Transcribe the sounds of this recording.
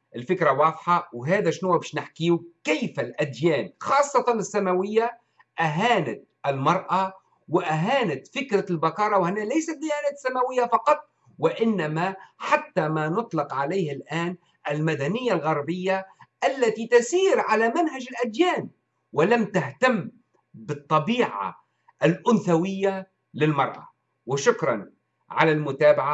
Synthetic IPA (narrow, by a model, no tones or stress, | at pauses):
ʔɪlfɪkɾawɑːðˤħɑwɦæːd̪aʃnuːbɪʃnɪħkiːukajːfalʔad̪jæːnxɑːsˤːɑt̪ɑnɪsːamawɪjːa | ʔaɦaːnat̪̚ | ʔɪlmɑɾˤʔa | wɪʔaɦaːnat̪fɪkɾalbakɑːɾˤɑwhɪnːælajsat̪̚d̪ɪjaːnæːt̪sːamawɪjːafɑqɑt̪ˤ | wɪʔɪnːamaħat̪ːamanʊt̪ˤlɪqʕalajːhalʔaːn | ʔɪlmad̪anɪjːalɣɑɾˤbɪjːaʔalːat̪it̪asiːɾʕalamanɦad͡ʒɪlʔad̪jaːn | wɪlamt̪aht̪amː | bɨt̪ˤːɑbiːʕa̰ | ʔalʔʊnθawɪjːa | lɪlmɑɾˤʔa̰ | wɪʃʊkɾˤɑ̰n | ʕa̰lalmʊt̪aːbaʕa